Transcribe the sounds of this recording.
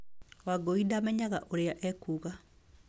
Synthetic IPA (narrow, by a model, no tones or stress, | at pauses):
waɡoidamɛɲaɣaʔoɾeaʔɛkuːɣa